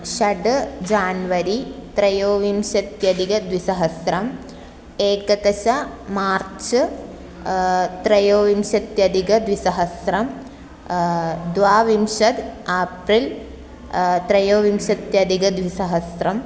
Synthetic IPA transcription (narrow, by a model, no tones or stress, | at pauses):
ʃɐɖd͡ʒaːnʋɐɾit̪ɾɐjoːʋimʃɐt̪jɐd̪iɡɐd̪ʋisɐɦɐsɾɐm | eːkɐt̪ɐʃɐ | maːɾt͡ʃ | t̪ɾɐjoːʋimʃɐt̪jɐd̪iɡɐd̪ʋisɐɦɐsɾɐm | d̪ʋaːʋimʃɐd̪aːpɾil | t̪ɾɐjoːʋimʃɐt̪jɐd̪iɡɐd̪ʋisɐɦɐsɾɐm